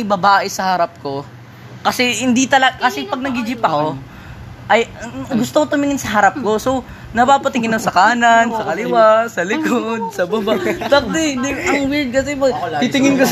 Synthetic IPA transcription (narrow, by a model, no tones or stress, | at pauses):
jbɐbaːʔɛsɐhaɾɐp̚ko̞ | kɐsɛhɪnd̪it̪ɐlɐɡkɐsɛpɐɡ̚nɐɡɪd͡ʒɪpːɐko̞ | ʔɐjɡʊst̪okot̪ʊmɪŋɪnsɐɦɐɾɐp̚ko̞so̞w | nɐpaːpɐt̪ɪŋɪnːosɐkaːnɐnsɐkɐlɪwasɐlɪkod̪̚sɐbɐbat̪ɐk̚t̪ɛd̪iɐŋwɪɹd̪̚kɐsɛpɐt̪it̪ɪŋɪnko